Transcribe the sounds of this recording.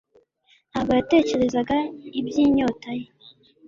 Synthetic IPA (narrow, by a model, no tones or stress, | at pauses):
aβajate̞ːce̞ɾe̞zaɡaibjiːɲo̞ːtaje